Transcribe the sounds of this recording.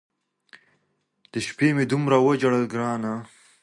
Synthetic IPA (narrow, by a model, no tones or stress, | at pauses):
d̪̥əʃpemed̪umɾawəd͡ʒaɽəlɡɾɑːna